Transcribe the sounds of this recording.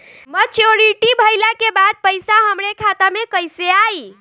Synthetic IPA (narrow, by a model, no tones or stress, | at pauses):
mət͡ʃoɾiʈibʱəjlakebad̪̚pəjsaɦəmɾekʰat̪amekəjseai